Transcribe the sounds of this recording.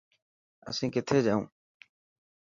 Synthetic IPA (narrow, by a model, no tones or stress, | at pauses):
ə̰sĩːkɪt̪ʰeːd͡ʒaːṵ̃ː